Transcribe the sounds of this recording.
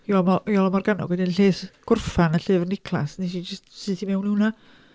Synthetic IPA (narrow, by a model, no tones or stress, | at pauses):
jɔmɔjɔlˠɔmarɡanɔ̰ɡwɛdɪnɬeːθɡ̥ʊrfanəɬɨːvrnɪkʰlˠa̰sniʃ̬id͡ʒɪstsɨtʰimɛwnhuwna